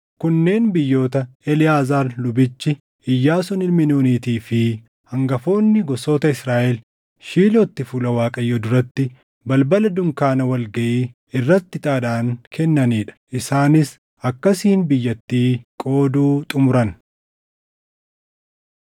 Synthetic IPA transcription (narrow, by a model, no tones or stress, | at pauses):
kʊnːe̞ːnbɪjːo̞ːt̪ɐɛlɪjaːzaːɾlʊbɪt͡ʃːɪ | ɪjːaːsɔnɪlmɪnuːniːt̪iːfɪ | hɐŋɡɐfo̞ːnːɪɡɔso̞ːt̪ɐɪsɾaːʔɛl | ʃiːloːt̪ːɪfʊlɐwaːkʼɐjːod̪ʊɾɐt̪ːɪ | bɐlbɐlɐd̪ʊŋkaːnɐwɐlɡɐʔiː | ɪrːɐt̪ːɪt̪ʼaːᶑaːŋkʰɛnːɐniːᶑɐ̥ʔɪsaːnɪs | ɐkːɐsiːnbɪjːɐt̪ːiːkʼo̞ːd̪uːt̪ʼʊmʊɾɐn